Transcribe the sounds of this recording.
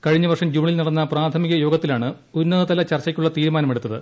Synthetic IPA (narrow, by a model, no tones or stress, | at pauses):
kɐɻiɲːɐʋɐrʂɐmd͡ʑuːɳilnɐɽɐnːɐpraːt̪ʰɐmiɣɐjo̞ːɡɐt̪ːilaːɳɨ | unːɐðɐt̪ɐlɐt͡ɕɐrt͡ɕːɐkʲːuɭːɐt̪iːɾumaːnɐme̞ɽut̪ːɐðɨ̰